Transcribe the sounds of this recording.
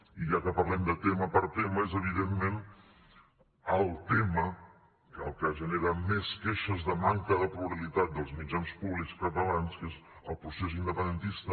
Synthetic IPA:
iʒakəpəɾlɛmd̪ət̪eməpəɾt̪eməezəβ̞iðemmen | əlˠt̪emə | kəəlˠkaʒəneɾameskeʃəzðəmaŋkəðəpɾuβəβilit̪at̪̚d̪əlˠzmid͡ʒanspuβlikskət̪əlanskez | əlˠpɾuses̬ind̪əpənd̪ənt̪ist̪ə

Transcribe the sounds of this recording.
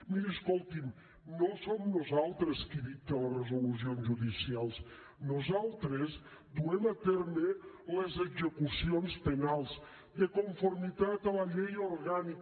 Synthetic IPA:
miəskolˠt̪im | nõsomnozalˠt̪ɾəskiðiələrəzuluzionzʒuðisialˠs | nozalˠt̪ɾez | d̪uɛmət̪ɛɾme | lezəɡzəkusionspənalˠz | d̪əkuɱfoɾmit̪at̪ələʎɛjoɾɣanik

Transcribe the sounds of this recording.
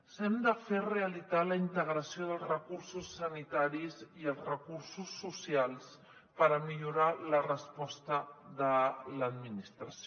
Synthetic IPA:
sɛmd̪əfereəlit̪aləint̪əɣɾəsioðəlˠzrəkursusːənit̪aɾiziəlˠzrəkursusːusialˠs | pəɾəmiʎuɾalərəspɔst̪əðələd̪minist̪ɾəs

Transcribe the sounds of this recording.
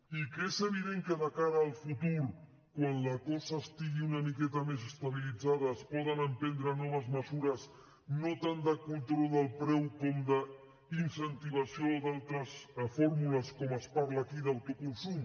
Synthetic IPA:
ikezəβiðeŋkəðəkaɾəːlˠfut̪uɾ | kwanlakɔzaːst̪iɣiunamikɛt̪ames̬əst̪aβilid͡zaðɐːspɔðənəmpɛnd̪ɾənɔβ̞əzməzuɾəs | not̪and̪əkunt̪ɾɔlˠd̪əlˠpɾɛwkɔmd̪ə | insənt̪iβ̞asiod̪alˠt̪ɾəsfɔɾmuləskɔməspaɾlaːkiðawt̪ukunsum

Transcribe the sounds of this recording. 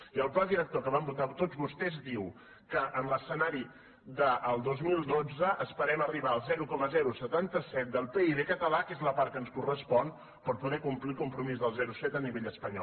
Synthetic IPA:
iəlˠplɔd̪iɾək̚t̪okəβambut̪at̪od͡zzβust̪ɛzd̪iw | kəʔənləsənaɾi | ðəʔːlˠd̪ozmilˠd̪od͡zəʔəspəɾɛməriβaəlˠzɛɾukɔməzɛɾusət̪ant̪əsɛt̪̚d̪əlˠpeiβekət̪əlakezləpaɾkənskurəspɔn | pəɾpuðɛkumplikumpɾumizðəlˠzɛɾusɛt̪əniβeʎəspəɲɔ̰

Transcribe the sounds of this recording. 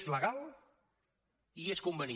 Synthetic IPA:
zləɣalˠ | ieskumbəni

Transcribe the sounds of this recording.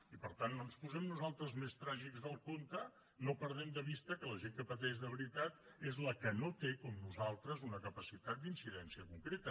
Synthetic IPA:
ipəɾt̪anːonspuzɛmnuzalˠt̪ɾəzmest̪ɾaʒikzðəlˠkont̪ə | nopəɾð̞ɛmd̪əβist̪əkələʒeŋkəpət̪̬ɛʒðəβɾit̪at̪ezləkənot̪ekɔmnuzalˠt̪ɾəzunəkəpəsit̪at̪̚d̪insiðɛnsiəkuŋkɾet̪ə

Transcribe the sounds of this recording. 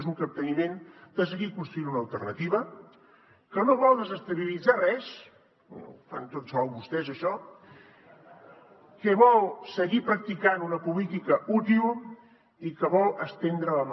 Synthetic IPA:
zuŋkəp̚t̪ənimend̪̥əs̬əɣikunst̪ɾuinunəːlˠt̪ərnət̪iβə | kənoβɔlˠd̪əzəst̪əβilid͡zarɛs | fa̰nt̪ot̪sɔwβust̪ɛzəʃɔ | kəβɔlˠsəɣipɾək̚t̪ikanunəpulit̪ikəʔut̪ilˠ | ikəβɔlˠəst̪end̪ɾələm

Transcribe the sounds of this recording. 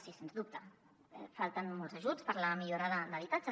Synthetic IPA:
sisenzðup̚t̪ə | ɛfalˠt̪ənmɔlzəʒut͡spəɾləmiʎoɾaðəd̪əβit̪ad͡ʒə

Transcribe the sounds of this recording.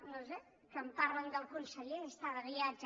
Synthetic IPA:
nose | kəmpaɾlənd̪əlˠkunsəʎeəst̪aðəβiad͡ʒə

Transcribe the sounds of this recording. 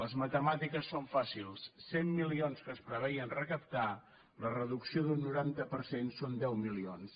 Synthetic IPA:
ləzmət̪əmat̪ikəsːoɱfasilˠsːemːilionskəspɾəβɛjənrəkəpt̪a | lərəðuksioðunːuɾant̪əpəɾsensond̪ɛwmilions

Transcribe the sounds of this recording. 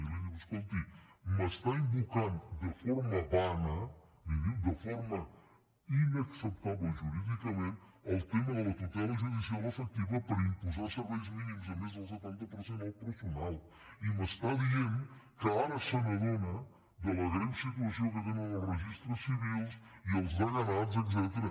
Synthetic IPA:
leɲɐβuskõnt̪iməst̪aĩmbukãnd̪əfɔɾmɐβanɐ | d̪ivid̪əfɔɾmɐ | inɐksəp̚t̪aβʒuɾiðikɐmẽnt̪ɐlwt̪emɐðəlɐt̪ut̪ɛlɐʒuðisialˠəfək̚t̪iβɐpɐɾɐĩmpuzaɾsəɾβɛjuzminimuzɐmezðɐlˠs̬ət̪ɛ̃nt̪ɐpəɾsẽnt̪apɾəɾsunalˠ | iməst̪aðienkəaɾəsənɐɣonə | d̪ələɣɾansit̪uɐsiowkəɣanənəlˠrəʒist̪ɾusːiβilˠsiəlˠzðəɣɐnat̪zɛt̪s̬ɛt̪əɾə

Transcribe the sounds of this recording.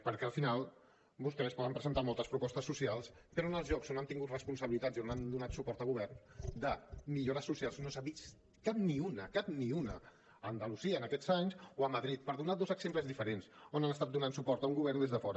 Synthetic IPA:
pəɾkɛəlˠfinalˠ | bust̪ɛespɔðəmpɾəzənt̪amɔlˠt̪əspɾupɔst̪əsːusialˠspəɾonəlˠzʒɔksonant̪iŋɡut̪rəspunsəβilit̪azionand̪unat̪supɔɾt̪əlˠɣuβ̞ɛrnd̪əmiʎoɾəsːusialˠznosaβis | kap̚niunəkap̚niunə | ənd̪əluziəːnəkɛz̥aɲsoəmːəðɾit̪̚pəɾðunaðozəɡz̥empləzðifəɾensonanəst̪at̪d̪unansupɔɾt̪əuŋɡuβɛrnd̪ezðəfɔɾə

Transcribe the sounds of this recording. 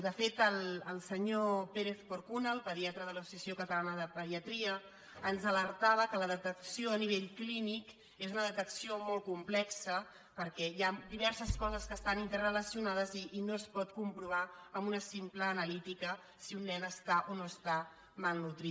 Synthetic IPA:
d̪əfet̪əlˠəlˠsəɲopeɾeθfoɾkunəlˠpəðiat̪ɾəðələsu̥siəsiokət̪əlanəðəpəðiət̪ɾiəː | nzələɾt̪aβ̞əkələðət̪əksioəniβ̞eʎklinik | ezunəðət̪əksiomolˠkumplɛksə | pəɾkɛjad̪iβ̞ɛɾsəskɔzəskəːst̪anint̪ərələsiunaðəziːnoəspɔt̪kumpɾuβ̞aəmbunəsimpləːnəlit̪ikə | siunːɛnəst̪aʔonoəst̪a | malˠnut̪ɾi

